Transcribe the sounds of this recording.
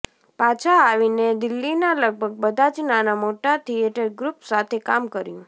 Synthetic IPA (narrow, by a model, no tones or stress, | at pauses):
pat͡ʃʰaaʋined̪ɪlːinaləɡ̚bʱəɡ̚bəd̪ʱat͡ʃnanamoʈat̪ʰieʈəɾɡɾupsat̪ʰekamkəɾjũ